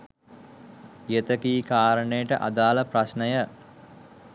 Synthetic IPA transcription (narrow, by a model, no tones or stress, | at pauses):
jet̪əkiːkaːɾəɳəjəʈə̰ʔa̰d̪aːləpɾasnəjə